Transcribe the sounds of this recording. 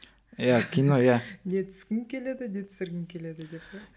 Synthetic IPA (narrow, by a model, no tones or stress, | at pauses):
jakʲʰinojanet̪ʰʏ̥skʲɪŋkʲʰe̞le̞d̪ɪnet̪ʰsɪɾɡʲɪŋkʲʰele̞d̪ɪd̪e̞p̪̚e